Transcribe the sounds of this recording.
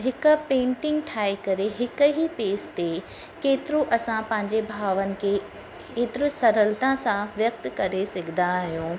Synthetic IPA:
ɦɪkʊpẽːɳʈɪ̃ŋɡʈʰaːekɐɾeɦɪkɦipeːst̪e | keːt̪ɪɾoʔɐsãpɐ̃ɦɪ̃ɲd͡ʑebʱaːʋənɪ̆kʰe | keːt̪ɪɾʊsɐɾəlt̪ãsãʋjɐk̚t̪kɐɾesɐɡʱɪnd̪aɦijõː

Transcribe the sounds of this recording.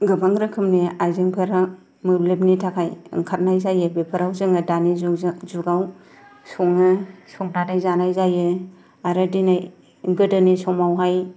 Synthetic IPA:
ɡɯbaŋɾɯkʰɯmniajzɯŋpʰɯɾa | mɯɾlepnitʰakʰajɯ̰ŋkʰat̚najzajɯbepʰɯɾawzɯŋɯdanizuɡaw | sɔŋɯsɔŋtʰadajzanajzajɯ | aɾɯdinaj | ɡɯdɯnisɔmawɦaj

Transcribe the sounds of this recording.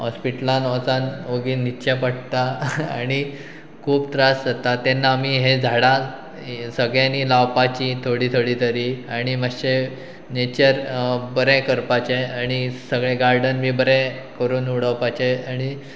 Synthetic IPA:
ɦɔspiʈlanɔt͡sanoɡiːnitːɕjapəɽ̚t̪aaɽ̃i | kʰuːbt̪ɾasd͡zət̪at̪enːaːmiɦed͡zʱaɽa | səɡɭjaniːlawpat͡ɕit̪ʰoɽiːt̪ʰoɽiːt̪ʰəɾiaɽ̃iməɕe | net͡ɕəɾbəɾekəɾpat͡ɕeaɽ̃isəɡɭeɡaɾɖənmiːbəɾẽ | kəɾuːnuɽəwpat͡ɕeaɽ̃i

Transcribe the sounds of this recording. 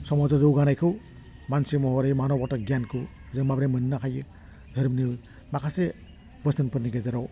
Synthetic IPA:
sɔmɔzɔzɯwɡanajkʰɯw | mansimɔɦɔɾejmanɔbɔtaɡjankʰɯzɯmabɾemɯnːakʰajɯ | d̪ʱɯɾɯmni | makʰase | bəsɯnpʰɯɾniɡezaɾɔw

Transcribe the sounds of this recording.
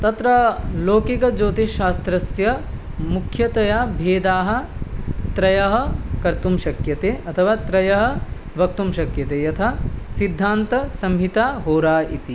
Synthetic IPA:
t̪ɐt̪ɾɐloːkikɐd͡ʒoːt̪iʃaːst̪ɾɐsjɐmukʰjɐt̪ɐjaːbʱeːd̪aːɦɐ̆t̪ɾɐjɐɦɐ̆kɐɾt̪umʃɐkjɐt̪eːʔɐt̪ʰɐʋaːt̪ɾɐjɐɦɐ̆ | ʋɐk̚t̪umʃɐkjɐt̪eːjɐt̪ʰɐsid̪ʱːaːnt̪ɐsɐmɦit̪aːɦoːɾaːḭt̪i

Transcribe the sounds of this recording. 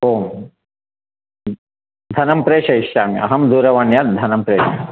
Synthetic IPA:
oːm | d̪ʱɐnɐmpɾeːʂɐiʂʈaːm̰ɐ̰ɦɐmd̪uːɾɐʋaːɳjɐt̪d̪ʱɐnɐmpɾeːʃɐ

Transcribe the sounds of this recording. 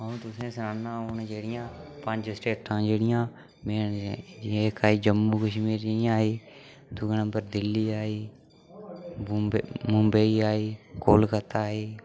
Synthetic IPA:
ɦõt̪ʊsẽːsɾaːnãːʊnd͡ʒeːɽɪjãːpə̃ɲd͡ʒsʈeːʈʰːãːd͡ʒeːɽɪjãː | meːneːkaːɦiːd͡ʒəmːuːkəʃmiːɾaːɦeː | d̪ʊɡnəmbəɾd̪ɪlːiːaːiː | mʊmbəiaːiːkoːlkət̪aːɦeː

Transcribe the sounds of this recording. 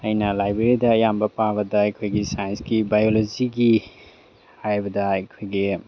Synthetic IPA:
ɐjnɐlajbɾeɾidɐːjambɐpabɐdɐɐjkʰojɡisajɐnskibajolod͡ʒiɡi | hajbɐdɐɐjkʰojɡi

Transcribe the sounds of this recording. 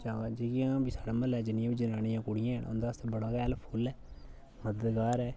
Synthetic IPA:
t͡ʃãːad͡ʒekɪjãːbiːsaːɽaːməlɛːd͡ʒɪnɪjãːbiːd͡ʒənaːnɪjãːkʊɽɪjãːɦɛnʊ̰nd̪aːst̪ebəɽaːkɛːlpʰʊːlɛː | məd̪əd̪ɡaːɾɛː

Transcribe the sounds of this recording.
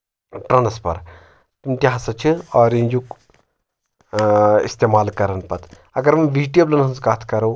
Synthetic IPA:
ʈɾɐnɐspɐ̰ɾ | t̪umt̪ʲiɦɐsɐt͡ʃʰiɔːɾenʲd͡ʒuk | ḭst̪eːmaːlkɐɾɐnpɐt̪ | ɐɡɐɾmɐʋiːɖijoblɐnɐnzkaːt̪ʰkɐɾɐw

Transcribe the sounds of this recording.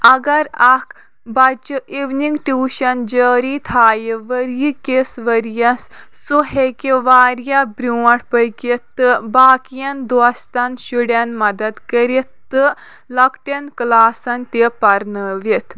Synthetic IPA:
ɐɡɐɾak | bɐt͡ʃuʔiʋniŋɡʈuːʃɐnd͡ʒəːɾit̪ʰaːjiʋəɾjikesʋəɾjɐsːuɦekiʋaːɾjabɾuːɐʈpəjkit̪ːɨbaːkijɐnd̪ʋɐst̪anʃuɽɐnmɐd̪ɐd̪kəɾit̪̚t̪ːɨ | lɐkʈɐnklaːsɐnt̪epɐɾnəːʋit̪ʰ

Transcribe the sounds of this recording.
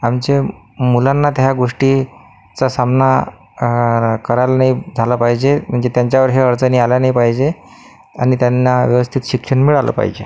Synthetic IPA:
amt͡ɕe | mulanːat̪ɦjaɡoʂʈi | t͡sasamna | kəɾajlanaid͡zʱalapaɦid͡ʑem̤əɳd͡zet̪jaɲt͡ɕaʋəɾɦeəɾt͡səniːaljanajpaɦd͡ʑe | aɽ̃it̪janːaʋjəʋəst̪ʰit̪ɕikʂəɳmiɭalə̰pa̰ɦid͡ʑḛ

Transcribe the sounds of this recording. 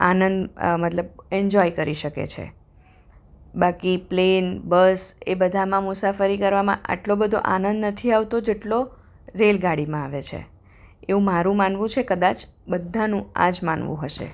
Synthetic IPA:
anənd̪mət̪ləbɛɲd͡ʒɔjkəɾiʃəkḛt͡ʃʰḛ | bakiplenbəsebəd̪ʱamãmʊsafəɾikəɾʋamã̰ʔa̰ʈlobəd̪ʱo̰ʔanənd̪nət̪ʰiaʋt̪od͡ʒeʈlo | ɾelɡaɽimãaʋet͡ʃʰḛ | eũmaɾũmanʋũt͡ʃʰekəd̪at͡ʃbəd̪ʱːanũa̰d͡ʒma̰nʋṵ̃ɦəʃḛ

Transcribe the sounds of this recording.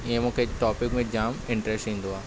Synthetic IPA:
ẽmõkeʈɔːpɪkmẽd͡ʒaːmɪ̃ɳʈɾɛsʈĩːnd̪oaː

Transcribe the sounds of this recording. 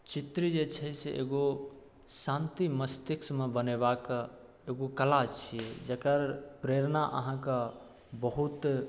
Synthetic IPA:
t͡ʃit̪ɾid͡ʒet͡ʃʰɛseʔḛɡo | sãnt̪iməst̪iksmebənebakə | eɡokəlat͡ʃʰijɛd͡ʒekəɾpɾeɾnaʔə̰ɦãkə | bəɦut̪

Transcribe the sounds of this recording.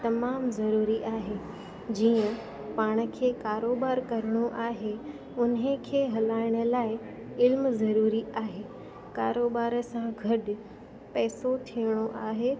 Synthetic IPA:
t̪ɐmaːmzɐɾuːɾiʔaːɦe | d͡ʑiːə̃ | paːɽ̃ə̆kʰeːkaːɾoːbaːɾkɐɾəɽ̃oʔaːɦe | ʊnɦəkʰeːɦɐlaːɪɽ̃ə̆laːɪ | ɪlmzɐɾuːɾiaːɦeː | kaːɾoːbaːɾsãɡʱɐɗ̆ | pɛːsot̪ʰijəɽ̃oʔaːɦeː

